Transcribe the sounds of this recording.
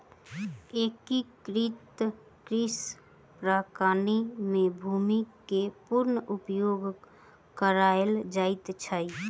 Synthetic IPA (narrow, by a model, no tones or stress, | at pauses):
ekikɾit̪ | kɾis | pɾakanimebʱumikːepuɾnəʔupjoɡ | kəɾaeld͡ʒait̪t͡ʃʰəj